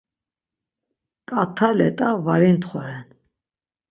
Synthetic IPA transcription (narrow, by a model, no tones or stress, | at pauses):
kʼat̪ʰalɛ̰t̪ʼavaɾint̪χɔɾɛn